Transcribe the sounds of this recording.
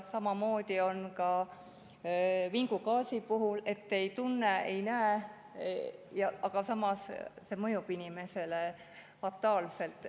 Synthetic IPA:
sɑmɑmo̞ːd̪̥ʲio̞nkɑ | viŋɡukɑːsipuɦule̞t̪ːe̞jt̪unːeḛjnæe | jɑɑɡ̥ɑsɑmɑsse̞mɤjub̥inime̞se̞le | fɑt̪ːˑɑːlse̞lt̪ːˑ

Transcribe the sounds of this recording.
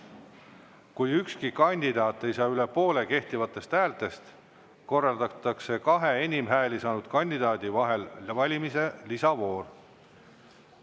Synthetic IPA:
kujykskikɑnʲd̪̥id̪̥ɑːt̪ˑːejsɑːylepo̞ːle̞ke̞ht̪ivɑt̪ːˑe̞st̪hæːlt̪ˑe̞st̪ | ko̞rːɑld̪̥ɑt̪ːˑɑkse̞kɑɦe̞enʲimɦæːlisɑːnud̪̥kɑnʲd̪̥id̪̥ɑːd̪ivɑɦe̞lvɑlʲimise̞lisɑvo̞ːr

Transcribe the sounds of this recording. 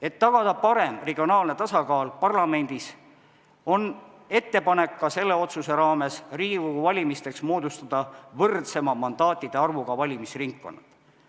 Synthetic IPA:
e̞t̪ːɑɡ̥ɑd̪̥ɑpɑɾe̞mreɡ̥ʲio̞nɑːlne̞t̪ɑsɑkɑːlpɑrlɑme̞nʲd̪̥is | o̞n | e̞t̪ːe̞pɑne̞kːɑse̞lːe̞o̞t̪suse̞ɾɑːme̞sriːɡikokuvɑlʲimist̪e̞ksmoːd̪ust̪ɑd̪̥ɑvɤrt̪se̞mɑmɑnd̪̥ɑːt̪ˑːid̪̥eɑrvuɡɑvɑlʲimisriŋkːo̞̰nːɑt̪

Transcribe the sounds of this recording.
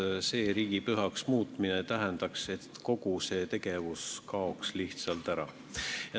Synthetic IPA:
se̞ːɾiːɡipyɦɑksmuːt̪minet̪æɦend̪̥ɑkse̞t̪ko̞ɡuse̞ːt̪e̞ɡe̞vuskɑo̞ksliht̪sɑlt̪æɾɑ̰ | jɑ

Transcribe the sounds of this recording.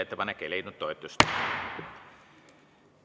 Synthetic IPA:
et̪ːepɑnekːelejnut̪ːojt̪ːˑust̪

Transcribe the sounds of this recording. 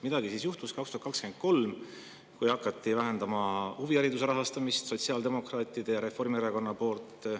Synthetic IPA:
mid̪ɑɡ̥isiːsjuht̪uskɑkst̪uhɑt̪kɑkskyme̞n̚ko̞lm | kujhɑkːˑɑt̪ˑːivæɦe̞nd̪ɑmɑhuvijæɾid̪us̬e̞ɾɑɦɑst̪ɑmist̪so̞t̪siɑːld̪e̞mo̞krɑːt̪ːˑid̪̥e̞jɑɾe̞fo̞rmieɾɑko̞nːɑpo̞ːlt̪ːˑ

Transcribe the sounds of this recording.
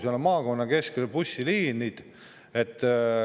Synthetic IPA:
solmɑːko̞nːɑke̞skelpusʲːiliːnid̪̥ | e̞t̪ˑː

